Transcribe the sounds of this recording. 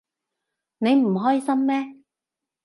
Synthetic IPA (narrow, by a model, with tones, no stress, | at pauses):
ne˨˧jm̩˨˩ɦɔː˥jsɐ˥mːɛː˥